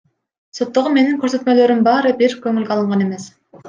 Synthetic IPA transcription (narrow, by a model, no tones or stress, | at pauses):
sot̪ːoʁume̞niŋkøɾsø̞t̪mø̞lø̞ɾymbɑɾɯbiɾkøŋylɡʲeɑlˠɯɴʁɑne̞me̞s